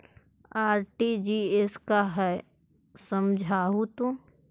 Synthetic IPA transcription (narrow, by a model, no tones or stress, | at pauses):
aːɾʈid͡ʒiːeskaɦɛ | səmd͡ʒʱaːɦut̪ũ